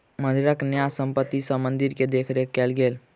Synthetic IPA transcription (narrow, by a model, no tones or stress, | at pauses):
məd̪ʱiɾəknjasəmpət̪ːisəmənd̪iɾked̪ekʰɾekɛlɡel